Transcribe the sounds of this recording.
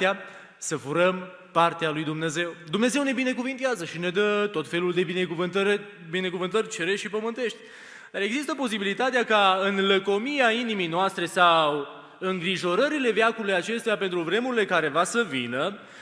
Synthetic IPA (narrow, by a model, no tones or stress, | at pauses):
ea | səfuɾəm | part̪ealujd̪umne̞ze̞wd̪umne̞ze̞wne̞bine̞kuvint̪eazəʃine̞d̪ət̪o̞t̪fe̞luld̪e̞bine̞kuvɨnt̪əɾe | bine̞kuvɨnt̪ərʲt͡ʃe̞ɾeʃipəmɨnt̪e̞ʃt̪ʲ | d̪aɾe̞ɡzist̪əpo̞sibilit̪at̪eakaɨnləko̞miainimijnoast̪ɾe̞saw | ɨŋɡɾiʒo̞ɾəɾile̞veakuɾlujat͡ʃe̞st̪eape̞nt̪ɾuvɾe̞muɾile̞kaɾe̞vasəvinə